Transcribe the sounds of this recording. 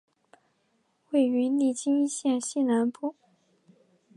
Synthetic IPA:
we˥˩ɪy˧˥ni˥˩t͡ɕi˥ŋi˥˧ɕjɛ˥˧nɕi˥˩na˧˥npu˥˩

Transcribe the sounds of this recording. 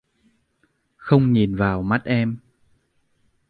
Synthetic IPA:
xə˧wŋ͡mɲi˨˩nvaː˨˩wma˦˥t̚ʔɛ˧m

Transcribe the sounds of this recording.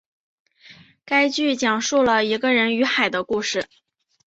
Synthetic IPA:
ka˥ɪt͡ɕy˥˩t͡ɕjɑ˨˩ŋʂu˥˩lə˩i˧˥ɡə˧ɻə˧˥ny˧˥xa˨˩ɪd̪ə˦ku˥˩ʂɻ̩˨˩

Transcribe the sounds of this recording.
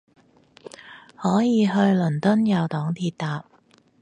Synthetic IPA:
hɔː˨˥jiː˨˧ɦɵ˧ɥlɵ˨˩nt̪ɵ˥njɐ˨˩wt̪ɔː˨˥ŋt̪ʰiː˧t̚t̪aː˨p̚

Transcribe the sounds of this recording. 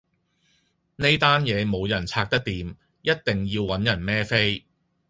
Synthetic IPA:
ne˥jt̪aː˥njɛː˨˧mo˨˧wjɐ˨˩nt͡sʰaː˧k̚t̪ɐ˥k̚t̪iː˨˧m | jɐ˥t̚t̪ɪ˨ŋjiː˧wːɐ˨˥njɐ˨˩nmɛː˥fe˥j

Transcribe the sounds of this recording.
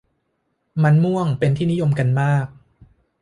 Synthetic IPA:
ma˧nmu˥˩əŋpe˧nt̪ʰiː˥˩ni˦˥jo˧mka˧nmaː˥˩k̚

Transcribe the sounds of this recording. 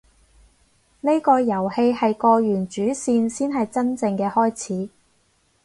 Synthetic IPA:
ne˥kɔː˧jɐ˨˩whe˧jhɐ˨jkɔː˧ɥyː˨˩nt͡ʃyː˨˥siː˧nsiː˥nɦɐ˨jt͡sɐ˥nt͡sɪ˧ŋkɛː˧hɔː˥jt͡sʰiː˨˥

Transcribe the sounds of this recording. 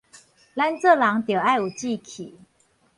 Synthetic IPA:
la˦nt͡sɤ˥˨lɑ˧˥ŋt̪jɤ˨˩a˥˩ɪu˨˩t͡ɕi˥˧kʰi˨˩˦

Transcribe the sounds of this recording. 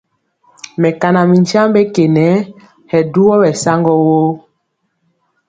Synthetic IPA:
mɛ˨ka˨na˨mi˨ɲ˦d͡ʒa˦mbe˦ke˨nɛ˨˦ | hɛ˨du˦wɔ˦wɛ˨sa˦ŋɡɔ˦wo˦

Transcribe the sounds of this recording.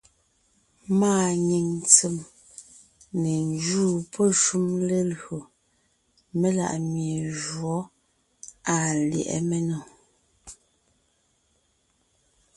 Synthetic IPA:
maː˦ɲi˨ŋ˨t͡se˨m | ne˨n˦d͡ʒuː˦˨pʰɔ˦ʃu˦mle˦lɰo˨ | me˦la̰˨ʔmje˨ʒwɔ˨˦ | a˨ljɛ̰˨ʔɛ̰˦mɛ˦nɔ˨

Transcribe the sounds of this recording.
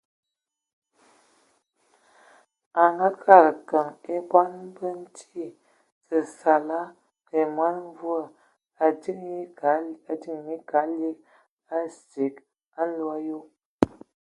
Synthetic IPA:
a˨ŋɡa˦kʰa˦˨ɾkə˨ŋe˦ba˦nbə˦n̩˦tʰi˦˨ | sə˨sa˨la˦ | ke˨ma˦n˦vu˦ə˨ | a˨di˦ŋ˦a˨˦a˨di˦ŋji˦ka˨˦li˦k̚ | a˦si˨k | a˦n̩˦lwa˦jo˦

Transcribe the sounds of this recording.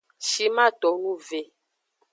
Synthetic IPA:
ʃi˦mã˦tɔ˨nũ˦ve˨

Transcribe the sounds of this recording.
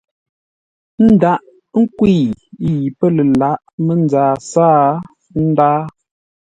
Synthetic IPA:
n̩˦da˨˦ʔ | ŋ̩˦kwi˦˨i˦˨ji˨pə˦lə˨la˨˦ʔmə˦n˦d͡zaː˨saː˦ | n̩˦daː˦

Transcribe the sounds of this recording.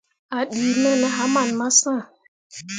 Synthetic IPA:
a˨ɗiː˨˦nɛ˦na˦ɦa˦ma˨nma˦sã˦˨

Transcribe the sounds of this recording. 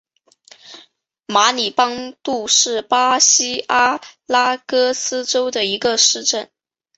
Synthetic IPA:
ma˧˥ni˨˩pɑ˥ŋt̪u˥˧ʂɻ̩˥˩pa˥ɕi˥a˥la˥kɤ˥sɹ̩˥ʈ͡ʂo˥ʊd̪ə˨i˧˥ɡə˧ʂɻ̩˥˧ʈ͡ʂə˥˩n

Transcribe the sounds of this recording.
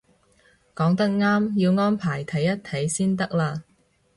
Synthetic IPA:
kɔː˨˥ŋt̪ɐ˥k̚ŋaː˥mjiː˧wŋɔː˥npʰaː˨˩jt̪ʰɐ˨˥jːɐ˥tt̪ʰɐ˨˥jsiː˥nt̪ɐ˥k̚laː˧

